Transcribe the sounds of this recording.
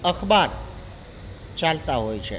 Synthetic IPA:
əkʰbaɾ | t͡ʃalt̪aɦojt͡ʃʰɛ

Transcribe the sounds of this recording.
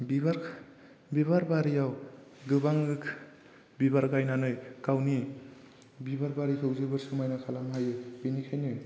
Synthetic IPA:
bibaɾ | biβaɾbaɾijawɡɯbaŋɯkʰ | bibaɾɡajnanɯjkawni | bibaɾbaɾikʰɯwzɯbɯɾsɯmajnakʰalamajɯb̥inikʰajnɯj

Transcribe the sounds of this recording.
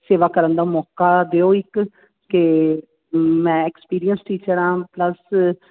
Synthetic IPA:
seːʋaːkəɾənd̪aːmɔːkaːd̪eːoːɪk | ke | mɛ̃ːɛkspiːɾijənsʈiːt͡ʃəɾãːpləs

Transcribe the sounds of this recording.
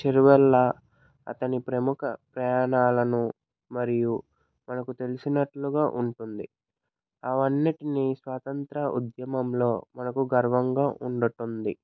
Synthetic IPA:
t͡ʃeɾuʋɛlːɐ | ɐ̰t̪ɐnipɾɐmukɐpɾɐjaːnaːlɐnu | mɐɾiju | mɐnɐkut̪e̞lisinɐʈluɡaːʔuɳʈund̪i | ɐʋɐnːiʈinisʋaːt̪ɐnt̪ɾɐṵd̪jɐmɐmlo̞ːmɐnɐkuɡɐɾʋɐŋɡaːʔuɳɖɐʈund̪i

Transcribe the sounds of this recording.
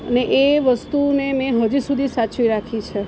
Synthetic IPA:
əneʔeʋəst̪unemẽɦəd͡ʒusud̪ʱisat͡ʃʋiɾakʰit͡ʃʰe

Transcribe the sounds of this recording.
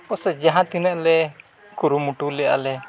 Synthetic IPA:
ɔsɛd͡ʒaɦãt̪inɛʔlɛ | kuɾumuʈulɛja̰lɛ

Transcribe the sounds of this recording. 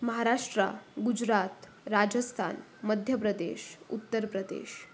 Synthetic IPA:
məɦaɾaʂʈɾa̰ɡud͡ʒɾat̪ | ɾad͡ʑəst̪ʰa̰n | məd̪ʱjəpɾəd̪ḛʃṵt̪ːəɾpɾəd̪ḛʃ

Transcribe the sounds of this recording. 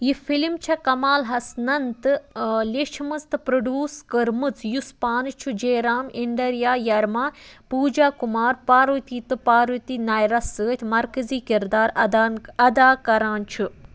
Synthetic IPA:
jifilmt͡ʃʰɐkɐmaːlɦɐsnɐnt̪ɨleʃmɐst̪ɨpɾɐɖjuːskəɾmɨt͡sjuspaːnɨt͡ʃʰud͡ʒeːɾaːmiɳɖɐɾjaːjɐɾmãːpuːd͡ʒaːkumaːɾpaːɾʋt̪iːt̪ɨpaːɾʋɨt̪iːnaːjɾɐsəːt̪ʲʰmɐɾkəziːkiɾd̪aːɾaɐd̪aːkɐɾãːnt͡ʃʰu

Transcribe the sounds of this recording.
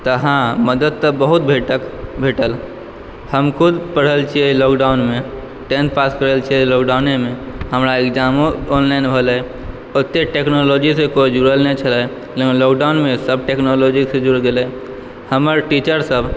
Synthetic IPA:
t̪əɦãməd̪əd̪̚t̪əbəɦut̪̚bʱeʈəkbʱeʈəl | həmkʰud̪pəɽ̤əlt͡ʃʰielokɖaʊnme | ʈenʈpaskəɾəlt͡ʃʰilokɖaunemeɦəmɾaekd͡ʒamoonlainbʱəlɛj | ot̪ːeʈeknolod͡ʒisẽkoid͡ʒuɾəlnɛt͡ʃʰəla | lekinlokɖanmesəb̚ʈeknolod͡ʒiksẽd͡ʒuɽɡelɛ | həməɾʈit͡ʃəɾsəb

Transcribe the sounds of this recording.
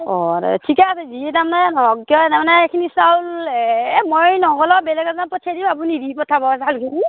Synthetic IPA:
ɔɾɛ̰tʰikasɛzietamnɛnɔɔkkjɔtamanɛekʰinisawl | mɔjnɔɡɔlɔbɛlɛɡazanpɔtʰiadibapunidipɔtʰabɔasaalkʰini

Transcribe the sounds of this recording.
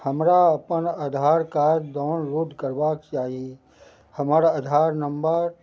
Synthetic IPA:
həmɾaɐpənəd̪ʱaːɾkaːɾd̪aːnɾuʈkəɾbakt͡ʃaːɦii | həmaːɾaəd̪ʱaːɾnəmbəɾ

